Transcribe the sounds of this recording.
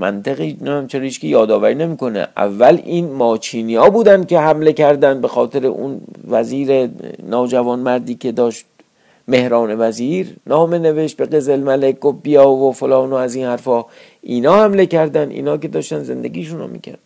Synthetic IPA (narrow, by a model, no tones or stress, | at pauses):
mæ̰nt̪ʰeɣiːnææmt͡ʃʰeɾiʃkʲijɒːd̪ɒːvæɾiːne̞miːko̞nḛʔæ̰vːæliːnmɒːt͡ʃʰiːniːɒːbuːd̪ænd̪̥̚kʲe̞hæmle̞kʰæɾd̪ænd̪̚be̞xɒːt̪ʰe̞ɾḛʔṵnvæziːɾe̞nɒːd͡ʒævɒːnmæɾd̪iːkʰe̞d̪ɒːʃt̪̚ | me̞hɾɒːne̞væziːɾnɒːme̞ne̞veʃt̪̚be̞ɢe̞zelmælek̚ɡofbijɒːvofolɒːnoæziːnhæɾfɒː | ʔiːnɒːhæmle̞cæɾd̪ænd̪ʔḭːnhɒːke̞d̪ɒːʃt̪ænd̪ze̞̰nd̪e̞̰ɡʲiːʃuno̰mḭːkʰæ̰ɾd̪